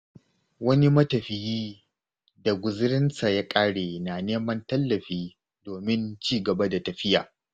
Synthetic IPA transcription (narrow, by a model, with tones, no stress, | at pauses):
wɐ˦ni˦mɐ˦tɐ˨ɸɪ˨jiː˦ | da˨ɡʷʊ˨zɪ˦ɾɪ˦nsa˨ja˦kʼaː˦ɽeː˨na˨neː˦mɐ˦ntɐ˦lːɐ˨ɸiː˦ | doː˨mɪ˦nt͡ʃiː˦ɡɐ˨ba˦da˨tɐ˨ɸɪ˦ja̰ː˨